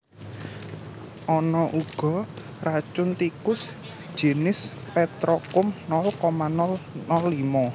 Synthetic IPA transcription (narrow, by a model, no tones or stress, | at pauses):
ʔɔnɔʔuɡ̥ɔ̤ | rat͡ʃʊnt̪ikʊs | d̥ʒ̥e̤nɪspɛt̪ɾɔkʊmnɔlkɔmanɔlnɔlimɔ